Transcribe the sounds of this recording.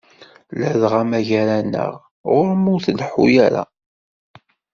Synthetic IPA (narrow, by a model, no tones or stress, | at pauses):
ləðʁæmæʝæɾænə̰ʁ | ʁʊɾmʊθlħṵjaɾa̰